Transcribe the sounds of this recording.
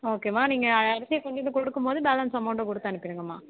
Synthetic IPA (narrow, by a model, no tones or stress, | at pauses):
oːkeːmaːniːŋɡɐɐɐɾɐsɪjɐkɔɳɖɪnːɯkɔɽɯkːɯmpoːðɯbɛːlɐnsɐmɐʊɳʈɖɐ̃kɔɽɯt̪ːaːɐnɯkːɪɾɯŋɡɐmaː